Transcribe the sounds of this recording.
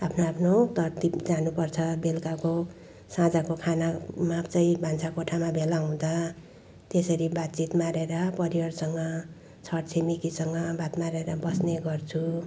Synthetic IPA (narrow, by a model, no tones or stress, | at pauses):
apʰnoapʰnot̪ʌrt̪ipd͡zanupʌrt͡sʰʌbelkako | sãd͡zakokʰanamat͡sʌĩbʱant͡sʰakoʈʰamabʱelaɦũd̪a | t̪esʌɾibat̪̚t͡sit̪maɾeɾʌpʌɾiwʌrsʌŋɡʌ | t͡sʰʌɽt͡sʰemikisʌŋɡʌbat̪maɾeɾʌbʌsneɡʌrt͡sʰu